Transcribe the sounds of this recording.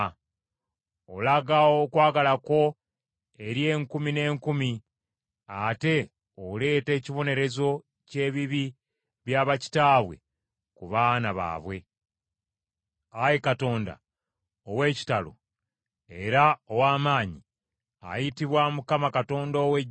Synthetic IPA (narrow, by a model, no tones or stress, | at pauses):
olaɡaokwaːɡalako̞ | e̞ɾje̞ːŋkumine̞ːŋkumi | ate̞ | ole̞ːte̞ːciβo̞ne̞ɾe̞zo̞ | ce̞ːβiβi | βjaːβaci̥taːβwe̞̰ | kuβaːnaβa̰ːβwe̞ | ajekato̞ːnda̰ | owe̞ːci̥talo̞̰ | e̞ɾaowaːmaːɲi | a̰jitiβwamukamakato̞ːndoːwe